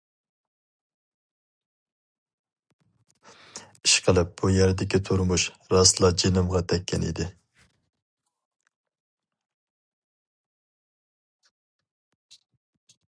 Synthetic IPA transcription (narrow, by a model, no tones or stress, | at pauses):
iʃqʰəlˠɪp̚b̥ujæɾd̪ɪkʲit̪ʰuɾmuʃɾɑslˠɑd͡ʒenɪmʁɑt̪ʰɛkʲːɛnḭd̪ɪ